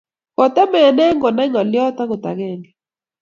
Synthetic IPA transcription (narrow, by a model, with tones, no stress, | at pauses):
kɔ˨tɛ˦mɛ˨nɛ˦ŋɡɔ˨nɛ˦ŋɔ˨ljɔ˦t̪a˦ɡʊ˨t̪a̰˨ɡɛ˦˨ŋɡɛ˨